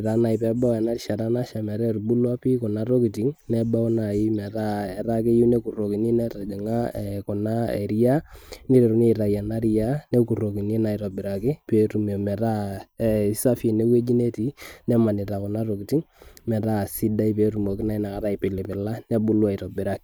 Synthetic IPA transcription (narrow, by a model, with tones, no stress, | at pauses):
ɾa˨˦na˨i˨pɛ˦ba˦wɛ˨na˦rʃa˨ɾa˦na˦ʃa˨mɛ˨ɾɛ˦ɾbu˦lwa˦pi˦kʊ˨na˦ro˦ki˨ti˨˦ŋnɛ˦ba˦na˨ɪ˦mɛ˨ɾa˦ɛ˨ɾa˦ke˦ju˦nɛ˦ku˨ro˨ki˨ni˦nɛ˦ta˨d͡ʒɛ˨ŋa˦˨kʊ˨na˦ɛ̰˨ɾi˦a˦ni˦ɾɛ˨ɾu˨ne˦ɾa˨ja˨na˦ɾija˦nɛ˦ku˨ro˨ki˨ni˦na˨i˨ɾɔ˨bɪ˨ɾa˨kɪ˦pe˦tu˨mo˨mɛ˨ɾa˦˨ | sa˦fi˨nɛ˦we˦d͡ʒi˦ne˦ti˦nɛ˦ma˨nɪ˨ta˨kʊ˨na˦ro˨ki˨ti˦ŋ | mɛ˨ɾa˦˨si˦da˦i˦pe˨ɾu˨mo˨kɪ˦na˦i˦na˨ka˨ta˨ipɪ˨lɪ˨pɪ˨la˦nɛ˦bu˦lwa˦i˨tɔ˨bɪ˨ɾa˦kɪ˦